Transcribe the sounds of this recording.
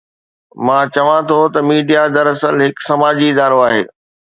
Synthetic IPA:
mãːt͡ɕɐʋãt̪ʰot̪ɐmiːɖijad̪ɐɾɐsəlɦɪksɐmaːd͡ʑiɪd̪aːɾoaːɦḛː

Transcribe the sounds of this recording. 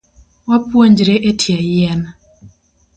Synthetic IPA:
wapwoɲd͡ʒɾeʔetʰjajɛn

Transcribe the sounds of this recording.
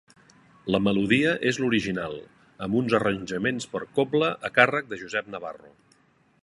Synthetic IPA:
ləməluðiəʔezluɾiʒinalˠ | əmbunzərənʲʒəmenspəɾkopləʔəkarək̚d̪əʒuzɛp̚nəβarṵ

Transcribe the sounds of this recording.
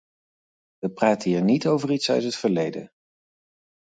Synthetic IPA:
ʋəpraːtəɦiːɹnitowvəritsœ̰ɥtɦətfəɹlejdə̰

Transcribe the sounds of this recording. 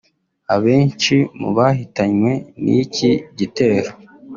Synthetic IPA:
aβe̞ːnt͡ʃimṵβaɦitaɲwe̞nḭciɟite̞ːɾo

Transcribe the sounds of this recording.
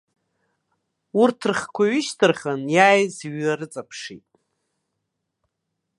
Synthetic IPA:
urtʰrχkʷʰaɥʏʃtʰɨrχanjaːjzɥaɾɨt͡sʼapʰʂitʼ

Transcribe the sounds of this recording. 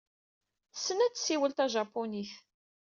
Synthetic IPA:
sːənæt͡sːsiwəlt̪æʒɑpːuniθ

